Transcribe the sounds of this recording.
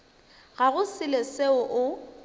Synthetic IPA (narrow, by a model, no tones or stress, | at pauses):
ɣaɣʊsɪleseʊʔʊ